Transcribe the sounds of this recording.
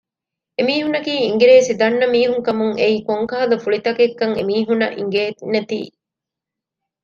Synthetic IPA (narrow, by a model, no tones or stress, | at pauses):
emiːɦunɐkiːiŋɡeɾeːsid̪ɐnːɐmiːɦuŋkɐmuŋeiːkoŋkaːɐlɐfuɭit̪ɐkekːɐŋḛmiːɦunɐ̰ʔḭŋɡeːnːet̪ḭː